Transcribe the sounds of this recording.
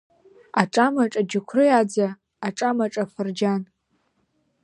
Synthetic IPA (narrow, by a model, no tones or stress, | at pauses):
aʈ͡ʂʼamaʈ͡ʂʼad͡ʒɪkʷʰrɨad͡zaː | ʈ͡ʂʼamaʈ͡ʂʼafɨrd͡ʒan